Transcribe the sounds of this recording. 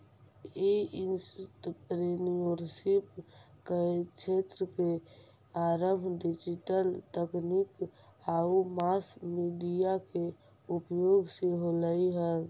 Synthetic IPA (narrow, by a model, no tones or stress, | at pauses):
einsʈpɾenijoɾsip | ket͡ʃʰet̪ɾəke | aɾəmbʱɖid͡ʒiʈəlt̪əknikaumaskmiɖijake | upjoɡseɦoləiɦə